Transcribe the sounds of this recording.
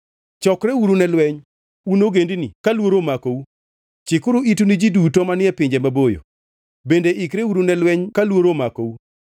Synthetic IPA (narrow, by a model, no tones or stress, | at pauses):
t͡ʃɔkɾɛuɾunɛlwɛɲ | unoɡendinḭkalwoɾomakou | t͡ʃɪkʊɾuitunid͡ʒidutomanɪɛpɪɲd͡ʒemabojo̰ | bendeikɾeuɾunɛlwɛɲkalwoɾomakou